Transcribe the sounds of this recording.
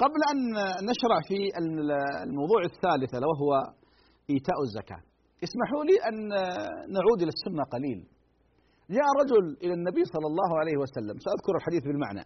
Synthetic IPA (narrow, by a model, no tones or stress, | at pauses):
qɑblʔanːaʃɾˤɑʕfiɪlmɑwðˤuːʕaθːaːlɪθlawaɦʊwa | ʔiːt̪aːʔazːaka̰ː | jɪsmaħuːliʔanː | aʕuːd̪ʔɪlasːʊnːaqɑliːl | d͡ʒaːʔɾˤɑd͡ʒʊlʔɪlanːabiːsˤɑlːɑlˤːɑːɦʕalajhɪwasalːamsaʔaðkʊɾɪlħad̪iːθbɪlma̰ʕna̰